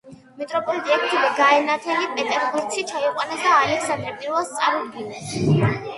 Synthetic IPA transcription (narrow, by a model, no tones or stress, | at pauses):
mit̪ʼɾɔpʼɔlit̪ʼiɛk̚ʰt̪ʰiɾiɡaɛnat̪ʰɛɡipʼɛt̪ʼɛɾʁut̪sʰit͡ʃʰaiqʼwanasaːlɛksand̪ɾɛpʼiɾvalˠst̪sʼaɾud̪ɡinɛs